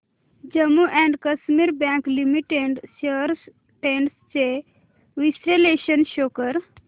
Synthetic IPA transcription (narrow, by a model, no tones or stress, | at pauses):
d͡ʑəmːuʔɛ̃ɳɖkəsmiɾbɛ̃ŋklimiʈeɳɖseɾs | ʈeɳɖst͡ɕe | ʋisɾeleʃənʃokəɾ